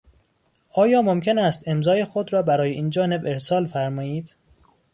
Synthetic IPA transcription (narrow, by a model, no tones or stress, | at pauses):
ʔɒːjɒːmomcʲʰe̞næst̪e̞mzɒːjexod̪ɾɒːbæɾɒːjeʔiːnd͡ʒɒːne̞be̞ɾsɒːlfæɾmɒːiːd̪̥